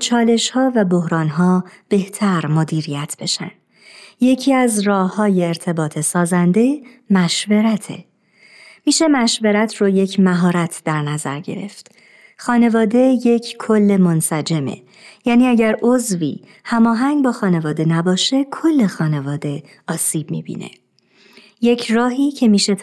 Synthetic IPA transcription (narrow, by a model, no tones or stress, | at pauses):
t͡ʃʰɒːle̞ʃhɒːvæbohɾɒːnɦɒːb̥e̞ht̪ʰæɾmod̪iːɾijæt̪ʰb̥e̞ʃæ̰nd̪̥ | je̞cʰiːæzrɒːhɒːje̞ːɾt̪ʰe̞bɒːt̪ʰe̞sɒːzænd̪e̞ | mæʃve̞ɾæt̪ʰe̞̰ | miːʃe̞mæʃve̞ɾæt̪ʰroje̞cʰmæɦɒːɾæt̪ʰd̪æɾnæzæ̰ɾɟe̞̰ɾe̞̰ft̪ | xɒːne̞vɒːd̪e̞jecʰkʰo̞lːe̞mo̞nsæd͡ʒe̞mḛ | jæːniːæɟæɾo̞zvḭː | hæmɒːɦæŋbɒːxɒːne̞vɒːd̪e̞næbɒːʃe̞kʰo̞lːe̞xɒːne̞vɒːd̪e̞ | ɒːsiːb̥̚mḭbḭːnḛ | je̞cʰrɒːɦiːcʰe̞miːʃe̞t̪